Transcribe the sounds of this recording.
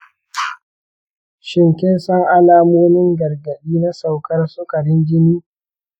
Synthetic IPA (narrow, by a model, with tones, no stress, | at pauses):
ʃɪ˨ŋkʲɛ˦nsɐ˦ŋʔa˦laː˦˨moː˦mɪ˦ŋɡɐ˨rɡɐ˨ɗiː˦na˦sa˨wkɐ˦rsʊ˦kɐ˨ɽɪ˦ŋɡʲɪ˦niː˦